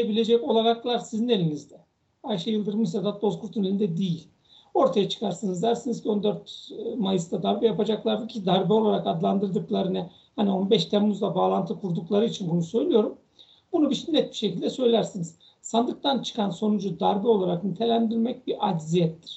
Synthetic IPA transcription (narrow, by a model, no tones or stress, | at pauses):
ebilʲe̞d͡ʒɛco̞lˠaɾaklˠaɾsizine̞lʲinizd̪ɛ | ajʃajɯlˠd̪ɯɾmɯʃsad̪at̪̚bo̞zkʰuɾt̪ʰunelʲind̪ɛd̪ijilʲ | o̞ɾt̪ʰajat͡ʃʰɯ̥kʰaɾsanɯzd̪æɾsinizcʰio̞nd̪øɾt̪majɯsd̪ad̪aɾbɛjapad͡ʒaklˠaɾd̪ɯcʲʰid̪aɾbɛolˠaɾakad̪lˠand̪ɯɾd̪ɯklˠaɾɯnɯ | hanio̞nbɛʃt̪ʰæmmuzd̪ˠabaːlˠant̪ʰɯkʰuɾd̪uklˠaɾɯit͡ʃʰinbunusø̞jlʲijo̞ɾum | bunubiʃinːɛt̪̚bi̥ʃe̞cilʲd̪ɛsø̞jlʲæɾsiniz̥ | sand̪ɯk̚t̪ʰant͡ʃʰɯ̥kʰanso̞nud͡ʒud̪aɾbɛo̞lˠaɾaknit̪ʰelʲænd̪iɾmɛc̚biɾad̪zijɛt̪ːiɾ̥